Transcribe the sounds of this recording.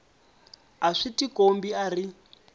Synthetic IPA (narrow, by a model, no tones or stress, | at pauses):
aʂitikombiari